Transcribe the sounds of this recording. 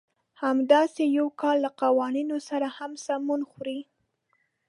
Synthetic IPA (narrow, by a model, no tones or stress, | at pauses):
hamd̪ɑsejawkɑlːaqawɑninosaɾahamsamunxuɾi